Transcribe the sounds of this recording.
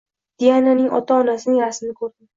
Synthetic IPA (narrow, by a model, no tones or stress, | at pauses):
d̪̥ijananɪŋʔɒ̰t̪ʰaɒnasɪnɪŋasɪnɪkʰɵɾd̪ɪm